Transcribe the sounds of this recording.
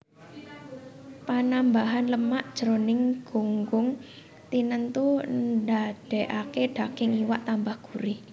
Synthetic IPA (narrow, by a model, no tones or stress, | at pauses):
panambaɦanləmaʔd̥ʒ̥ɾonɪŋɡ̥oŋɡʊŋ | t̪inənt̪unndad̥ɛʔakeɖ̥a̤kɪŋiwaʔt̪ambahɡ̥uɾi